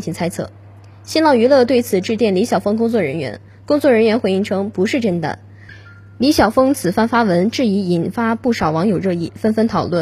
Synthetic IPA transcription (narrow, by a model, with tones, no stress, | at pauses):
ŋt͡ɕʰi˧˥t͡sʰa˥ɪt͡sʰɤ̰˥˩ | ɕi˥nlɑ˥˩ʊy˧˥lɤ˥˧t̪we˥˩ɪt͡sʰɹ̩˨˩ʈ͡ʂɻ̩˥˧t̪jɛ˥˩nli˧˥ɕjɑ˨˩ʊfɤ˥ŋk̬ʊ˥ŋt͡swɔ˥˩ɻə˧˥nɥɛ̰˧˥n | kʊ˥ŋt͡swɔ˥˩ɻə˧˥nɥɛ˧˥nxwe˧˥ɪi˥˩ŋʈ͡ʂʰɤ˥ŋpu˧˥ʂɻ̩˥˧ʈ͡ʂə˥nt̪a̰˥˩ | li˧˥ɕjɑ˨˩ʊfɤ˥ŋt͡sʰɹ̩˨˩fa˥˧nfa˥wə˧˥nʈ͡ʂɻ̩˥˩i˧˥i˨˩nfa˥pu˥˩ʂɑ˨˩ʊwɑ˧˥ŋjo˨˩ʊɻɤ˥˧i˥˩fə˥nfə˥nt̪ʰɑ˨˩ʊlwə˥˩